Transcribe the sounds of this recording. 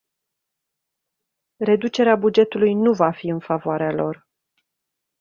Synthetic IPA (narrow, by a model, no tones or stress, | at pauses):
re̞d̪ut͡ʃe̞ɾeabud͡ʒe̞t̪ulujnuvafiɨnfavoaɾealo̞r